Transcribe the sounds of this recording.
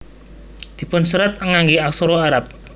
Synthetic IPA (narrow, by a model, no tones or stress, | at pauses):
d̪̥i̤pʊnsəɾət̪̚əŋaŋɡiaksoɾoaɾap̚